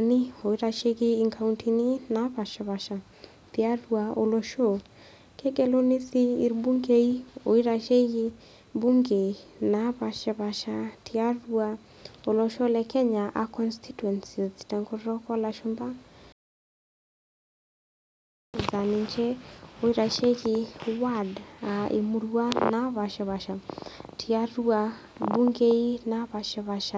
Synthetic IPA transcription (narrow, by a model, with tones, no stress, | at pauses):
nɪ˦o˨i˦ɾa˧ʃe˦˧kiː˧˨ŋkʰa˨wntʰi˨ni˦na˨˦pa˨ʃɛ˨βa˨ʃa˨ | t̪i˧a˦ru˨a˨o˨lo˧ʃo˦˨ | kɛ˦ɡɛ˨lo˦nɪ˦siː˦˨ɾbu˦ŋɡe˨i˦o˨i˦ɾa˧ʃe˦ɡi˧ | bu˦ŋɡe˨na˨˦pa˨ʃɛ˧βa˨ʃa˧tʰi˨a˦ru˨a˧ | o˨lɔ˧ʃɔ˦lɛ˨kɛ˦ɲa˨ʔa̰˨kɔ˦nstʰi˦twɛ˨nsi˨ztɛ˨ŋɡoɾɾɔ˦ka˦la˨ʃu˦mba˦˨ | za˨ni˨t͡ʃɛ˦o˨˦i˦ɾa˨ʃe˦ɣɪ˧wa˦da˨ʔḛ˨mu˦ɾua˦na˦βa˨ʃɛ˨βa˨ʃa˨tʰi˨a˦ɾu˦a˨ | bu˦ŋɡe˦i˦na˦βa˨ʃɛ˧βa˨ʃa˨